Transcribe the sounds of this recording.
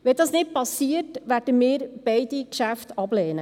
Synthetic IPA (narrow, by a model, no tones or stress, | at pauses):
ʋɛdɑːsnɪt̚pɑsiːətʋæːrd̥əmiːɾb̥ɛɪdikʃæftɑblɛːnə